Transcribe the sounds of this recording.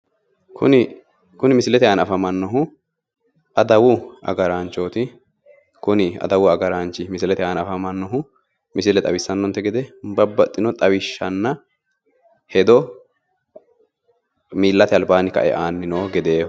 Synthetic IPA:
kʰʊ̰nɪ | kʊnɪmɪsɪlɛt̪ɛaːnɐfɐmɐnːɔɦʊ | ʔɐd̪ɐwʊʔɐ̰ɡɐɾaːnt͡ʃːo̞ːt̪ɪ | kʊnɪɐ̰d̪ɐwʊɐɡɐɾaːnt͡ʃːɪmɪsɪlɛt̪ɛaːnɐfɐmɐnːɔɦʊ | mɪsɪlɛt̪ʼɐwɪsːɐnːɔnt̪ːɛɡɛd̪ɛbɐbːɐt̪ʼːɪnɔt̪ʼɐwɪʃːɐnːɐ | hɛd̪ɔ | miːlːɐt̪ɪɐlbaːnɪkɐ̰ʔɛ̰ʔaːnːɪno̞ːɡɛd̪e̞ː

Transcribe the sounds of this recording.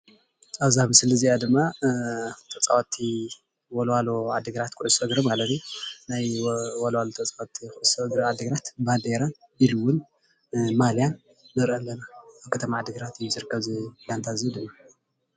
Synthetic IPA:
ʔaβzahmɨslɨziʔad̪ɨmːa | t̪ʰɐt͡sʼawot̪ʰːi | wɔlwaload̪ɨɡɾat̪kʰuʔʊsɐɡɾomalɐt̪ijnajwɔlwalot̪ʰɐt͡sʼawt̪ʰːikuʔsɡɾʕad̪ɨɡɾat̪bad̪eɾan | iɾɨwʊn | maljanː | ɨɾʔɐlːɐnaaβkʰɐt̪ʰɐmaʕad̪ɨɡɨɾat̪ɨjːuzɨɾɨkʰːɐβzɨlant̪ʰazijud̪ɨmːa

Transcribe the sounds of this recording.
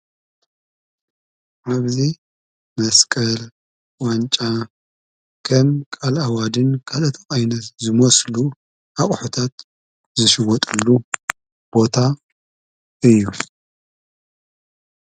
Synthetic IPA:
ʕaβzi | mɐskʼɐl | want͡ʃʼa | kʰɐmkʼalawad̪ɨnkʰalɨt̪ʰxʼajnɐt̪zɨmoslu | ʔaχʼħut̪ʰat̪ | zɨʃɪwɔt̪ʼɨlːu | b̥o̞t̪ʰa | ɨjːu

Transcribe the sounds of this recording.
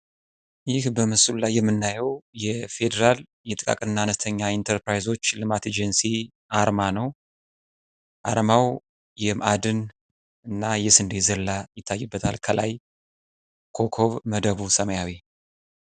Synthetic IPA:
jɪhbəmɨsululajːɛmːɨnːajɛwjɛfe̞d̪əɾal | jɛt̪ʼɨkʼa̰kʼɨnːaːnəst̪ʰəɲːaint̪ʰəɾpɾajzo̞t͡ʃːlɨmat̪ʰed͡ʒənsi | ʔaɾmanəw | ʔa̰ɾmaw | jɛmad̪ɨn | ɨnːajɛsɨnd̪ezəlːajɪt̪ʰːajːɨbːət̪ʰa̰lkʰəla̰j | kʰo̞kʰo̞βməd̪əβusəməjaβe

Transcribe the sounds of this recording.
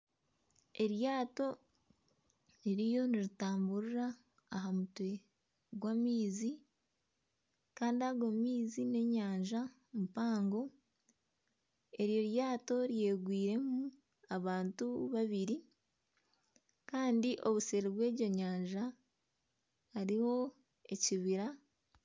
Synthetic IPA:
e̞ɾjaːto̞ | iɾijo̞niɾitaːmbuɾuɾaː | ɦamutwe̞ | ɡwamiːzi | kaːndiaɡomiːzine̞ɲaːɲʒa | mupaːŋɡo̞ | e̞ɾjo̞ɾjaːto̞ɾje̞ːɡwiːɾe̞mu | aβaːntuβaβiɾi | kaːndiʔo̞βuseɾiβwe̞ːɟo̞ɲaːɲʒa | haɾiho̞ | e̞ciβiɾa

